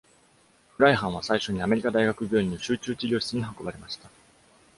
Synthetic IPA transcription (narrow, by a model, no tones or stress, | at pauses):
ɸɯ̟ɾaiɦãɰ̃β̞asaiɕo̞ɲ̟iame̞ɾʲikad̪aiɡakɯ̟ɡʲo̞ːɲʲinoɕɨːt͡ɕɨːt͡ɕiɾʲo̞ːɕi̥t͡sɨɲ̟iɦako̞baɾe̞maɕi̥t̪a